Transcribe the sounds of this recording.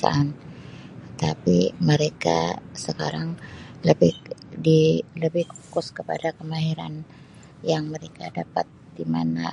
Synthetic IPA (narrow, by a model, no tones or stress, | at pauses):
a̰an | ət̪apḭməɾeka̰səkaɾaŋləbɪdiləbɪhku̥kʊskəpa̰dakəmaɦiɾa̰n | jaŋməɾekadapat̪̚d̥imana